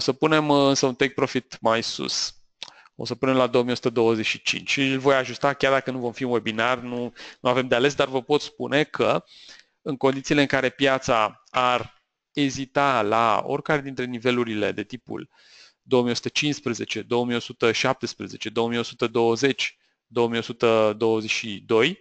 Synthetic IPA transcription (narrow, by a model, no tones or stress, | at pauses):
osəpune̞mɨnsəunt̪ek̚pɾo̞fit̪majsṵs | o̞̰səpune̞mlad̪oomijo̞sut̪əd̪o̞wəze̞t͡ʃʲʃit͡ʃḭnt͡ʃʲlvo̞jaʒust̪akʲard̪akənuvo̞mfiunwe̞binarnunuave̞md̪eale̞s̬d̪arvəpo̞t̪spune̞kʰə | ɨŋko̞nd̪it̪siːleɨŋkaɾe̞pjat̪sa | ar | ezit̪ala̰o̞̰rʲkaɾe̞d̪int̪ɾe̞nive̞luɾile̞̰d̪e̞t̪ipṵl | d̪o̞omijo̞sut̪ət͡ʃinspɾeze̞t͡ʃe̞d̪o̞omijo̞sut̪əʃap̚t̪e̞spɾeze̞t͡ʃe̞d̪o̞omijo̞sut̪əd̪o̞wəze̞t͡ʃʲ | d̪o̞omijo̞sut̪əd̪o̞wəze̞t͡ʃʲʃid̪o̞j